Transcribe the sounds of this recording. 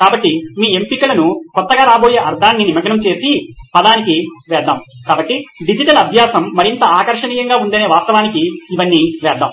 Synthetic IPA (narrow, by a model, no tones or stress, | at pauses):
kaːbɐʈːimiːempikɐlɐnukɔt̪ːɐɡaːɾaːboːjeːʔɐɾd̪ʱaːnːinimɐɡɐnɐmt͡ʃe̞ːsipɐd̪aːnikiʋɛːd̪aːmkaːbɐʈːiɖid͡ʒiʈɐlɐb̪ʱjaːsɐmːɐɾint̪ɐaːkɐɾʂɐniːjɐŋɡaːund̪ɐne̞ːʋaːst̪ɐʋaːnikiːʋɐnːiːʋɛːɾd̪a̰ːm